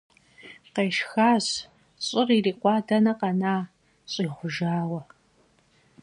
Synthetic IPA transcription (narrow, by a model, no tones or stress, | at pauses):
qeːʃxaːz | ɕʼɪririːqʷɑːdɐnɐqɑnaː | ɕʼiːʁʷʊʒaːwɐ